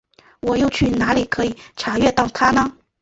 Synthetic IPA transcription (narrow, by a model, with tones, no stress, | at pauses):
wɔ˨˩jo˥˧ʊt͡ɕʰy˥˩na˧˥li˨˩kʰɤ˧˥i˨˩˦ʈ͡ʂʰa˨˩ɥɛ˥˧t̪ɑ˥˩ʊt̪ʰa˥nə˧